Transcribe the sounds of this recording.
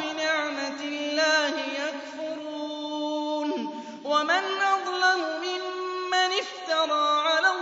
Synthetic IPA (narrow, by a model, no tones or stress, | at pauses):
mɪnaʕmat̪ɪlːaːhɪjakfʊɾuːn | wamɪnʔɑd̪ˤlamʊmɪmːanɪft̪ɑɾˤɑːʕala